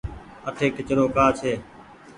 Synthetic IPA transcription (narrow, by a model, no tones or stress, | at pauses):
əʈʰeːkɪt͡ʃɽoːkaːt͡ʃʰeː